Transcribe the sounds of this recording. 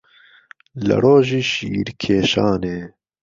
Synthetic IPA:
lə̰ɾoːʒiːʃḭːɾkʰeːʃaːneː

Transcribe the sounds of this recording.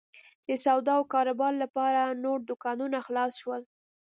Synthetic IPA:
d̪̥əsawd̪ɑwkɑɾabɑɾlapɑɾanoɽd̪ʊkɑnunaxlɑsʃwəl

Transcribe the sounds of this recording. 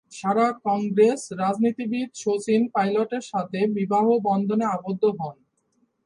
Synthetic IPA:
ʃaɾakɔŋɡɾesɾad͡ʑnit̪ibid̪̚ʃot͡ɕinpajloʈeɾʃat̪ʰebibaɦobɔnd̪ʱoneabod̪ʱːoɦɔn

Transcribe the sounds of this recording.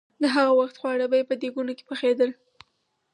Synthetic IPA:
d̪əɦaɣawaxt̪xwɑɽəbajepəd̪eɡunoke̥pəxed̪əl

